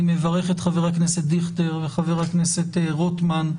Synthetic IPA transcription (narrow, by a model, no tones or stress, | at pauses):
mevaʁe̞χet̪χaveʁakneset̚d̪iχteʁveχaveʁaknesetʁotman